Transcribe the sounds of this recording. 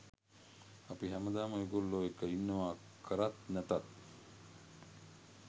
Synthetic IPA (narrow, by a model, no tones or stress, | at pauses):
apiɦæməd̪aːməiɡolːoːekəinːəʋaː | kʰəɾat̪næt̪at̪̚